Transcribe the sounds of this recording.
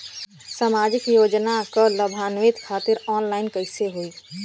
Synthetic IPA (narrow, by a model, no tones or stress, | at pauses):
saːmaːd͡ʒɪkjoːd͡ʒnakələbʱaːnʋɪt̪kʰaːt̪ɪɾɔːnlaɪnkəɪseɦoi